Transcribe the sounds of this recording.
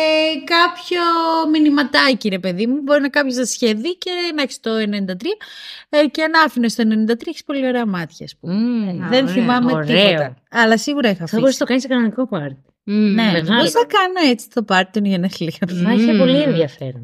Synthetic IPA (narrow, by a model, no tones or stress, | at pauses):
ekɐpçominimɐt̪ɐciɾe̞pe̞ðimubo̞ɾinɐkɐpçosɐsçeðice̞nɐeçi̥st̪o̞enenind̪ɐt̪ɾiɐceɐnɐfinest̪oenenind̪ɐt̪ɾiɐeçi̥spo̞lio̞ɾeɐmɐt̪çɐːspumeðenθimɐmeoɾipot̪ɐɐlɐsiɣuɾɐixɐθɐboɾisnɐt̪oɐniskɐnonikopɐɾt̪i̥ | neeposnɐkɐnoet͡si̥t̪opɐɾt̪onʝɐneslixɐpɐiçepo̞lienðjɐfḛɾon